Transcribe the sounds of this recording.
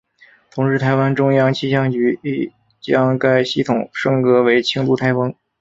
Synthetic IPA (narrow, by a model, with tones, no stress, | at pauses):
t̪ʰʊ˧˥ŋʂɻ̩˥˩t̪ʰa˧˥ɪwa˥nʈ͡ʂʊ˥ŋjɑ˥ŋt͡ɕʰi˥˧ɕ̬jɑ˥ŋt͡ɕy˧˥i˥˩ | t͡ɕjɑ˥ŋka˥ɪɕi˥˩t̪ʰʊ˨˩ŋʂɤ˥˩ŋkɤ˧˥we˧˥ɪt͡ɕʰi˥ŋt̪u˥˩t̪ʰa˥ɪfɤ˥ŋ